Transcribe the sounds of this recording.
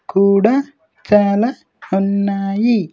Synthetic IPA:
kuːɽa | t͡ʃaːla | unːaːji

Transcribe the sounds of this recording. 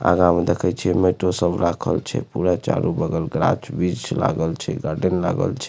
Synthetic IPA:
a̰ɡãmed̪ekʰɛt͡ʃʰɛmeʈosəbʱɾakʰəlt͡ʃʰɛ̰puɾat͡ʃa̰ɾʔubəɡəlɡɾat͡ʃbit͡ʃla̰ɡəlt͡ʃʰɛ̰ɡaɾɖənlaɡə̰lt͡ʃʰɛ

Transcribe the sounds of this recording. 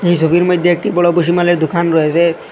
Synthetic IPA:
ejsobiɾmojd̪ʱjoek̚ʈibɔɭoboʃ̬imaleɾd̪ukʰanɾɔet͡ɕʰe

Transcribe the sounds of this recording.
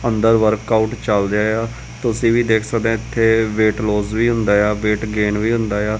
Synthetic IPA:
ənd̪əɾʋəɾkaːʈt͡ʃəld̪jaːjaː | t̪ʊsĩːʋiːd̪eːkʰsəkd̪ɛ̃ːɪt̪ʰːeːʋeːʈloːzʋiːɦʊnd̪aːjaːʋeːʈɡeːnʋiːɦʊ̃nd̪aːjaː

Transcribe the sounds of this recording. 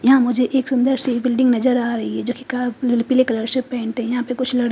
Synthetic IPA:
jɐɦãmʊd͡ʒʱeʔeːksʊnd̪əɾsebɪlɖɪ̃ŋɡnɐzəɾaːɾɐɦiɦɛd͡ʒoːkikapɪlekɐləɾsepɛ̃ːɳʈɦɛ̃jɐɦãpekʊt͡ʃʰlɐɽ

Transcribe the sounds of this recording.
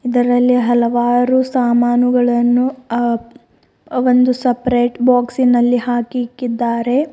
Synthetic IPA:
id̪ɐɾɐlːiɦɐlɐʋaːɾusaːmaːnuɡɐɭɐnːu | ʋo̞nd̪usɐpɾeːʈbaːksinɐlːiɦaːkikːid̪ːaːɾe̞

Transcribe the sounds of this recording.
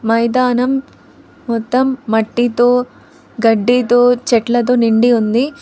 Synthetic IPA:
mɐjd̪aːnɐmː | ɔt̪ːɐmːɐʈːit̪u | ɡɐɖːit̪ut͡ʃɛʈlɐd̪uniɳɖiund̪i

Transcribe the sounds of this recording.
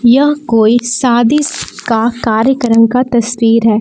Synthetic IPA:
jɐɦkoːisaːd̪ɪskakaːɾjəkəɾəmkat̪ɐswiːɾɦɛː

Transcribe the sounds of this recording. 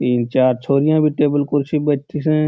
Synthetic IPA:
t̪iːnt͡ʃaːɾt͡ʃʰoːɾijãbʱiʈeːbəlkʊɾʃibət̪isɛ̃

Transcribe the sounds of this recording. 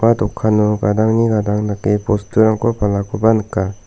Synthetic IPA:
adɔkʰːanuɡadaŋniɡadaŋnakepostuɾaŋkɔpʰalakʰubanɯka

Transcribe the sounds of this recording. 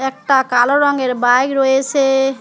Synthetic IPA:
ek̚ʈakaloɾɔŋɡeɾbajkɾoese

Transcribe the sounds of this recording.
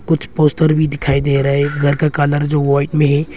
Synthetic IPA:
kʊt͡ʃʰpoːsʈəɾbʱid̪ɪkʰaːid̪eːɾaɛɡʱɐɾkakaːləɾd͡ʒoːʋaːɪʈmẽɦɛ

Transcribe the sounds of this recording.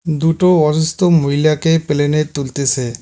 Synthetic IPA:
d̪uʈoɔʃust̪omoɦilakepelenet̪ult̪et͡ɕʰe

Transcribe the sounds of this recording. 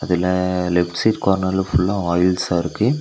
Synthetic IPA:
ɐðɪlɐlɛpʈsiːʈkoːɾnɐlɯfʊlːɐɔːjɪlsaːɪɾɯkːɯ

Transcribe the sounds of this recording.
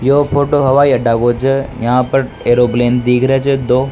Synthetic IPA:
joːpʰoːʈoɦɐʋaːiəɖaːɡot͡ʃʰəjɐɦãpəɾ | eːɾoːpleːnd̪iːɡɾet͡ʃʰed̪oː

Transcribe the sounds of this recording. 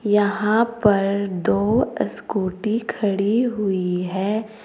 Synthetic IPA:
jɐɦãpɐɾd̪oːə̰skuːʈikʰɐɽiɦʊiɦɛː

